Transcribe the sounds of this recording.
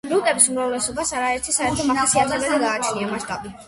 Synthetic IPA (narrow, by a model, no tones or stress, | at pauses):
ɾut̪ʼɛbisumɾavlɛsɔbasaɾaɛɾt̪ʰisaɛɾt̪ʰɔmaasiazɛbɛliɡaːt͡ʃʰniamaʃt̪ʼabi